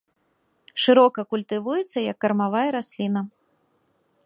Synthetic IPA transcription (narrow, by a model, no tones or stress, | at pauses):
ʂɨɾɔkɐkulʲt̪ɨvujɛt̪sːɐjɐkːɐrmavajɐɾasʲlʲinɐ